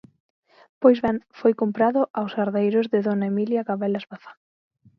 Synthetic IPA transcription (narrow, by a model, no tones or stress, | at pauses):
pojzβɛŋfojkompɾaðʊʔawsaɾðejɾʊzðɪðonaemiljaɣaβɛlazβaθḁ